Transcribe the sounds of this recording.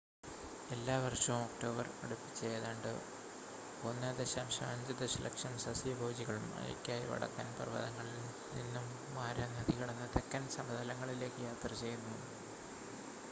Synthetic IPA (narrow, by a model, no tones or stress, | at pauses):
e̞lːaːʋɐrʂɐʋumokʈo̞ːbɐrɐ̰ɽupːi̥t͡ɕːejɐðaːɳɖɨ̰ | onːɐd̪eɕɐmɕaːɲd͡ʑɐd̪ɐɕɐlʔɐ̰kʂɐmsɐsibʱoːd͡ʑiɣɐɭumɐ̰jɐ̰kʲːaːjiʋɐ̰ɽɐ̰kːɐːnpɐrʋɐ̰ðɐŋːɐɭi | nḭnːumːaːɾɐnɐd̪iɣɐɽɐnːɐt̪ekːɐnsɐmɐðɐlɐŋːɐɭile̞ːkːɨjaːt̪rɐt͡ɕe̞junːu